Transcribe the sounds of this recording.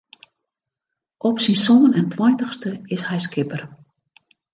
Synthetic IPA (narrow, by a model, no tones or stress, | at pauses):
ʔɔpsinsoːnɛntʰwɔjntəxstəɪshɛjskɪpər